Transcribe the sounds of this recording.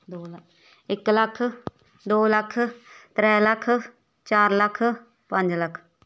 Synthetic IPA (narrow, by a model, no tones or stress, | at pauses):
d̪oːl | ɪkləkʰ | d̪oːləkʰt̪ɾɛːləkʰ | t͡ʃaːɾləkʰ | pə̃ɲd͡ʒləkʰ